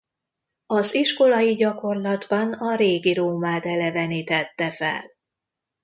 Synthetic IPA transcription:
ɒziʃko̞lɒjiɟɒko̞rlɒd̪bɒnɒɾeːɡiɾoːmaːt̪ɛlɛvɛnit̪ɛt̪ːɛfɛ̰l

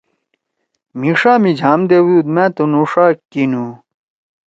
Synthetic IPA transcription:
miʂaːmid͡ʑʱaːmd̪ewuːd̪mẽt̪onuʂaːkinu

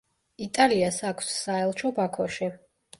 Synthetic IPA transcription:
it̪ʼaliasakʰsːaɛlˠt͡ʃʰɔbakʰɔʃi

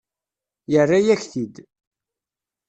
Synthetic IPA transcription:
jərːajæçθid̪

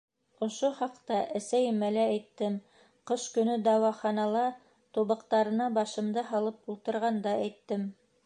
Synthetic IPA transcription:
ŏʃoχɑqt̪ɑʔæ̆sæjɘ̆mælææjt̪ːɘm | qɤʃkɵ̆nɵd̪ɑwɑχɑnɑlˠɑ | t̪uβɤ̆qt̪ɑɾɤ̆nɑbɑʃɤ̆md̪ɤɦɑlˠɤp̚ulˠt̪ɤ̆ɾʁɑnd̪ɑæjt̪ːɘm

